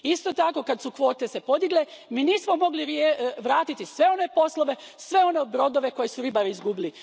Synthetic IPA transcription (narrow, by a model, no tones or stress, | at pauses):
ist̪ot̪ako̞kad̪sukʋo̞ːt̪e̞se̞po̞d̪iɡlemiːniːsmomo̞ɡliɾeʋɾaːt̪it̪isʋe̞o̞ne̞po̞slˠoʋe̞sʋe̞o̞nebɾo̞d̪o̞ʋe̞ko̞jesuɾibaɾiizɡubili